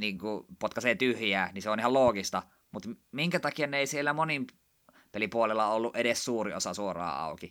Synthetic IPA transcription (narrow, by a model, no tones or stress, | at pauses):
niːŋkupot̪kɑseːt̪yhjæːniseonihɑloːɡist̪ɑ | mut̪miŋkæt̪ɑkiɑneˑisielːæmonim | pelipuolelːɑolːuʔeɾessuːriosɑsuorɑ̰ːɑ̰ˑuki